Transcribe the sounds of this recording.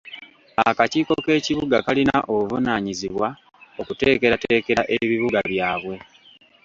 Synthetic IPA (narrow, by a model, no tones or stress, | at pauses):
akaciːko̞ke̞ːciβuɡakalina̰ʔovunaɲiziβwa | o̞kute̞ːke̞ɾateːke̞ɾaʔe̞βiβuɡaβjaːβwe̞